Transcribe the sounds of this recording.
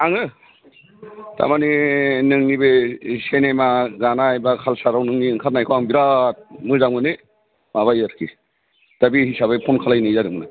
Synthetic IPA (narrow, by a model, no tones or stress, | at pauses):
aŋɯ | ta̰maninɯŋnibesenemaɡanaajbakʰalsaɾawnɯŋniɯŋkʰat̚najkʰɔaŋbiɾat̚mɯzaŋmɯnɯ | maβajaɾkʰi | d̥abihisaβɯpʰɔnkʰalajnijzadɯŋmɯna